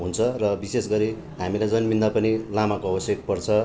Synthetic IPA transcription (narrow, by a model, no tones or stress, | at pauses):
ɦunt͡sʰʌrʌbisesɡʌɾi | ɦamilajd͡zʌnbind̪apʌnilamakoʌbʌsjʌk̚pʌrt͡sʰʌ